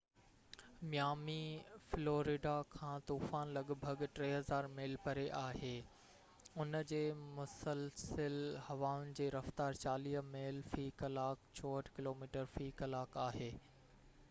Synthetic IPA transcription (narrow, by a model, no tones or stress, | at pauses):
mjaːmifloːɾiɖakʰãːt̪uːfaːnlɐɠbʱɐɡʈɾeːɦɐzaːɾmeːlpɐɾeʔaːɦeː | ʊnəd͡ʑeːmʊsəlsəlhɐʋaːʊnɪ̆d͡ʑeːɾɐft̪aːɾt͡ɕaːliːmeːlfiːkɐlaːkt͡ɕʰɔːɦəʈʰkɪloːmiːʈəɾfiːkɐlaːkaːɦeː